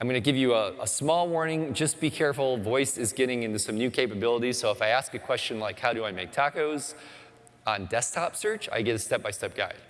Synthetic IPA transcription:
ãɪ̃mɡʌ̃nɨɡɪvjɨəə̰smɔlˠwɔɹnɪ̃ŋd͡ʒʌsb̥ikʰɛɹfl̩ˠvɔɪsɨzɡɛɾɪ̃ŋɪ̃ntʉsʌ̃mnjʉkʰeɪpɨbɪlˠəɾi̥soʊəfaɪæskɨkʰw̥ɛst͡ʃɨ̃nlaɪkhaʊɾɨaɪmeɪk̚tʰɑkoʊz | ə̃n̩dɛstʰɑpsɜ˞t͡ʃa̰ɪɡɛɾɨstɛp̚b̥aɪstɛp̚ɡ̥a̰ɪd̥

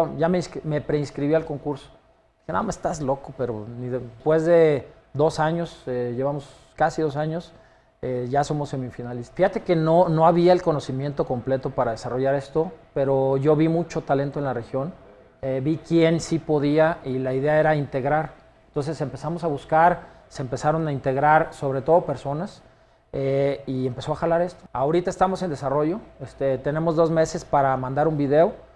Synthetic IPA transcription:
ʝameinskme̞pɾeinskɾiβialko̞ŋkuɾso̥ | ixena̰amasest̪azlo̞kope̞ɾoniðespwe̞zðe̞ | d̪o̞saɲo̞seʝeβamo̞s | kasiðo̞s̬aɲo̞s | eʝaso̞mo̞sːe̞mifinalesfixat̪e̞ke̞nono̞aβiaelko̞no̞simje̞nt̪o̞ko̞mple̞t̪o̞paɾaðe̞saro̞ʝaɾe̞st̪o̞pe̞ɾo̞ʝo̞βimut͡ʃo̞t̪ale̞nt̪oe̞nlare̞xjo̞n | ebikje̞nsipo̞ðiailaiðe̞ae̞ɾaint̪e̞ɣɾaɾ | ent̪o̞ns̬e̞se̞mpe̞samo̞saβuskaɾ | seːmpe̞saɾo̞naint̪e̞ɣɾaɾso̞βɾe̞t̪o̞ð̞ope̞ɾso̞nas | eiempe̞so̞axalaɾe̞st̪o̞̥aoɾit̪ae̞st̪amo̞se̞nd̪esaro̞ʝo̞est̪et̪e̞ne̞mo̞zðo̞zme̞se̞spaɾamãnd̪aɾumbiðe̞o̞

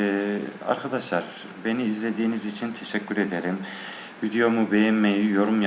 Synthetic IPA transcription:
a̰ɾkʰad̪aʃlˠaɾ | be̞niːzlʲe̞d̪iːnizit͡ʃʰint̪ʰeʃɛcʰʲːyɾed̪eɾim | vid̪ijo̞mubejɛnmejijo̞ɾumj

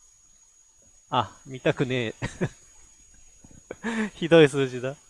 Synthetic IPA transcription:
amʲit̪akɯ̟ne̞ː | çid̪o̞isɨːʑid̪a

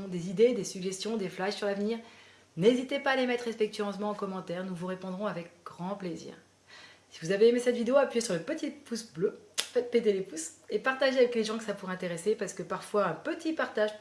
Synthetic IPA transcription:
d̪ezid̪ed̪esyɡʒɛst̪jɔ̃d̪eflaʃsyʁlavniːʁ | nezit̪epaːlemɛt̪χespɛk̚t̪ɥyɑ̃s̬mɑ̃ːkɔmɑ̃t̪ɛːʁnuvuʁepɔ̃d̪ʁɔ̃avɛk̚ɡʁɑ̃plezḭːʁ | sivuzaveːmesɛt̪vid̪eoapɥijesyʁləpət̪it̪pusbløfɛt̪̚ped̪elepusepaʁt̪aʒeavɛkleʒɑ̃kəsapuʁɛɛ̃t̪eʁesepaʁsə̥kəpaʁfwaɛ̃pət̪ʰipaʁt̪aʒ

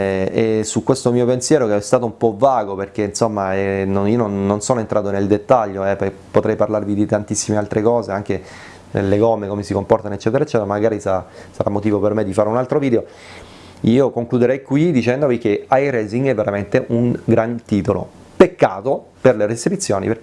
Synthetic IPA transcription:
esukwest̪omiːopensjɛːɾokeɛst̪aːt̪oumpɔvaːɡoperk̟einsomːaɛnoniononːonsoːnoent̪ɾʔaːt̪oneld̪et̪ːaʎːoɛppːot̪ɾɛjparlarvid̪it̪ant̪isːimealt̪ɾekɔːzeaŋk̟e | nḛlːeɡɔmːekomesikompɔrt̪anoet͡ʃːɛːt̪eɾaet͡ʃːɛːt̪eɾamaɡaːɾisaasaɾamːot̪iːvopermed̪ːifaːɾeunalt̪ɾoviːd̪eo | iːokoŋklud̪eɾɛjkwid̪it͡ʃɛnd̪ovik̟eajɾɛːziŋɡɛvːeɾament̪eʔuŋɡɾant̪iːt̪olo̰ | pekːaːt̪o | perleɾesipit̪sːjoːnḭperk

